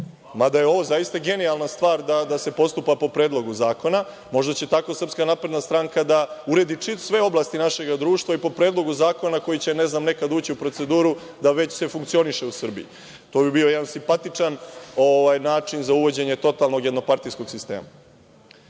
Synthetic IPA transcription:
mad̪ajeo̞ʋo̞zajist̪aɡe̞nialˠnast̪ʋaːɾd̪ad̪ase̞po̞st̪upapo̞pɾeːd̪lˠo̞ɡuzaːko̞na | mo̞ʒd̪at͡ɕe̞t̪ako̞sr̩pskanapɾe̞d̪nast̪ɾaŋkad̪auɾe̞d̪it͡ʂit̪o̥sʋe̞o̞blˠast̪inaʃe̞ɡad̪ɾuːʃt̪ʋaipo̞pɾeːd̪lˠo̞ɡuzaːko̞nako̞jit͡ɕe̞neznamne̞kad̪uːt͡ɕiupɾo̞t̪se̞d̪uːɾu | d̪aʋe̞t͡ɕsefuŋkt̪sio̞niʃe̞usr̩bḭji | t̪o̞ːbibio̞jed̪ansimpat̪it͡ʂano̞ʋajnaːt͡ʂinzauʋo̞d͡ʑe̞ɲet̪o̞t̪alˠno̞ɡje̞d̪no̞paɾt̪ijsko̞ɡsist̪ḛːma

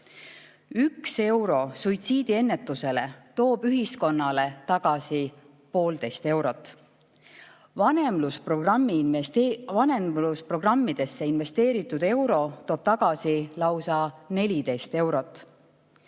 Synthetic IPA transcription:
ykse̞wɾo̞sujt̪siːd̪̥ie̞nːe̞t̪ːˑuse̞le̞t̪o̞ːb̥yɦisko̞nːɑle̞t̪ɑɡ̥ɑsi | po̞ːld̪̥e̞jst̪e̞wɾo̞t̪ːˑ | vɑnemlusprorɑmːi | vɑneluspro̞ɡ̥rɑmːid̪̥e̞sːeinve̞st̪e̞ːɾit̪ːˑud̪̥e̞wɾo̞t̪o̞ːb̥̚t̪ɑɡ̥ɑsilɑwsɑne̞lʲid̪e̞jst̪e̞wɾo̞t̪ːˑ

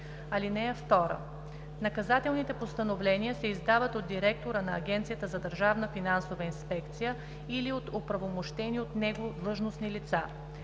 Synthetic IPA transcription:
ɐlinɛɛft̪ɔɾə̰ | nɐkɐzat̪ɛlˠnit̪ɛpost̪ɐnovlɛnijəsɛizd̪avət̪od̪ːiɾɛk̚t̪oɾənɐːɡʲɛnt̪sijət̪əzɐd̪əɾʒavnəfinansovəinspɛkt̪sijə | iliot̪opɾɐvomoʃt̪ɛniot̪nɛɡod̪lˠɤʒnosnilit̪sa

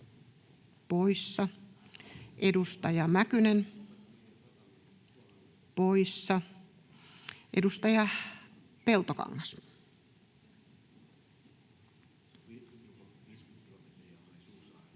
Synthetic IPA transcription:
poisːɑ | ʔedust̪ɑjɑmækynen | poisːɑ | ʔedust̪ɑjɑ | pelt̪okɑ̰ŋːɑs

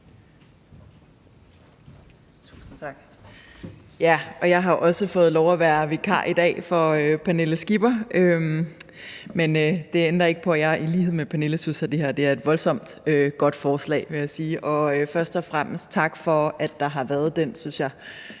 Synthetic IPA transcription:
t͡sʰṵːsn̩t͡sʰɑ̈ɡ̥ | jæʔɒ̽jɑ̈ɪɦɑ̈ʔɒ̽səfɔ̽ːð̞̩ˠlɒʊæʋæːɐʋekʰɑ̰̈ːʔid̥ɛ̰ːfɒ̽øpʰæne̝ləsɡ̥ib̥ɐʔøm | menød̥e̝end̥ɐe̝ɡ̥ə̥pʰɒ̽jɑ̈ɪʔiliːhe̝ð̞̰ˠmepʰæne̝ləsynsæd̥e̝hæɐd̥e̝æɐe̝d̥ʋɒ̽lsɒ̽m̰d̥øɡ̥ɒ̽d̥fɒːslɛ̰ɪʋe̝jɑ̈siːʔɒ̽øfɶɐsd̥ɒ̽fʁam̰əsd̥̚t͡sʰɑ̈ɡ̥fɒ̽æd̥ːɑ̈ɦɑ̈ʋæɐð̞ˠd̥ensynsjɑ̈ɪ

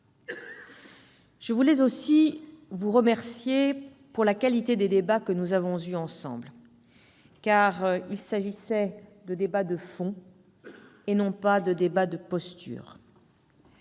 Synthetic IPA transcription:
ʒ̥əvulɛzosivuʁəmɛʁsje | puʁlakalit̪ed̪ed̪ebakənuzavɔ̃zyɑ̃sɑ̰̃bl | kaʁilsaʒisɛd̪əd̪ebad̪əfɔ̃ | enɔ̃pad̪əd̪ebad̪əpɔst̪y̰ːʁ

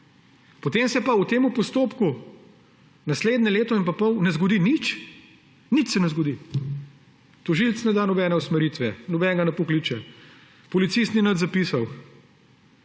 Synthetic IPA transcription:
pɔt̪eːmsɛpaut̪eːmupɔst̪oːpku | nasleːd̪nʲɛleːt̪ɔinpapɔwnɛzɡɔd̪init͡ʃ | nit͡ʃsɛnɛzɡɔd̪i | t̪ɔʒilt̪snɛd̪aːnɔbɛːnɛusmɛɾiːt̪ʋɛnɔbɛːŋɡanapɔkliːt͡ʃɛ | pɔlit̪sist̪ninɐt̪zapiːsaw

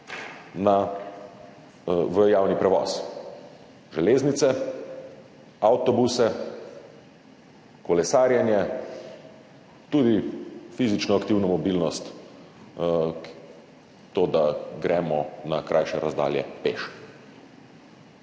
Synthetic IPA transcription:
na | ʋəjaːwnipɾɛʋɔ̰s | ʒɛleːznit̪sɛ | awt̪ɔbusɛ | kɔlɛsaːɾjanjɛ | t̪ud̪ifizit͡ʃnɔakt̪iːwnɔmɔbilnɔst̪ | t̪oːd̪aɡɾʔɛːmɔnakɾʔajʃɛɾazd̪a̰ːljɛ̰pḛʃ

